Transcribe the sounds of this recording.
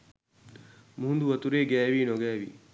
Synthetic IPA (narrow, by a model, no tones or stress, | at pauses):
muɦund̪uʋɐt̪uɾeːɡæːʋiːnoɡɛːʋḭː